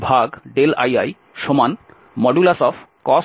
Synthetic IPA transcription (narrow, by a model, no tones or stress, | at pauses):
bʱaɡɖela̰ja̰j | ʃoman | mɔɖulasɔfʰkɔs